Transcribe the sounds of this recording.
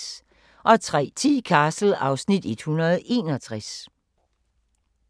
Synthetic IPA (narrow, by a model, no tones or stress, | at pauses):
ʔɒ̽t͡sʰʁɛ̰ːt͡sʰḭːkʰæːsl̩ɑ̈ʊsnid̥e̝d̥hunɐð̞̩ˠe̝ːnɒ̽t͡sʰʁas